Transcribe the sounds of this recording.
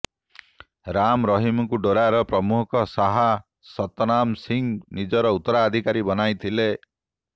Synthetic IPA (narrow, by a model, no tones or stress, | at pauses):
ɾamɾɔɦimɔkuɖoɾaɾɔpɾɔmukʰɔsaɦa | sɔt̪ɔnamsiŋnid͡ʒɔɾɔut̪ːɔɾaːd̪ʱikaɾibɔnajt̪ʰile